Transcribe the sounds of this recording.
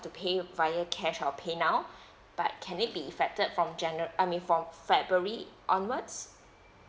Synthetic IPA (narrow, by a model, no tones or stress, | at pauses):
tupʰevaɪjəkʰɛʃɔpʰenaʊ | b̥a̰t̚kʰɛ̃nɪt̚biifɛk̚təd̚fɹɔ̃md͡ʒɛ̃nəʔaɪmĩnfɹɔ̃mfɛbɹuəɹiʔɔ̃nwəds